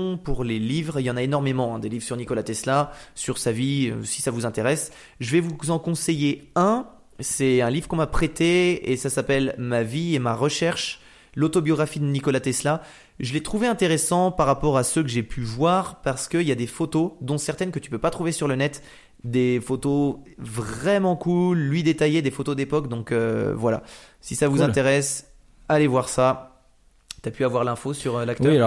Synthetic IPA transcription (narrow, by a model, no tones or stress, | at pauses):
puʁlelivʁljɑ̃naenɔʁmemɑ̃ɛ̃d̪elivʁsyʁnikɔlat̪ɛslasyʁsaviø̰si̥savuzɛ̃t̪eʁɛs | ʒəvɛvuzɑ̃kɔ̃sejeɛ̃ | sɛɛ̃livʁəkɔ̃mapχet̪eesasapɛlmaviemaʁəʃɛʁʃ | lot̪objɔɡʁafid̪ənikɔlat̪ɛsla | ʒəlɛt̪χuveɛ̃t̪eʁesɑ̃paʁːapɔʁasøk̬əʒepʰyvwaʁpaʁsə̥kəiljad̪efot̪od̪ɔ̃sɛʁt̪ɛnkət̪y̥pøpat̪χuvesyʁlənɛt̪ | d̪efot̪ovʁɛmɑ̃kulːɥid̪et̪ajed̪efot̪od̪epɔkd̪ɔ̃køvwala̰sisavuzɛ̃t̪eʁɛs | alevwaʁsa | t̪yapyavwaʁlɛ̃fosyʁølak̚t̪œ